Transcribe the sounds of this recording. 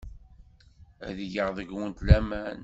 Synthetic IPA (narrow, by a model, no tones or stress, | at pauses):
æ̰ðijəʁðˤəɡwənt̪læmæn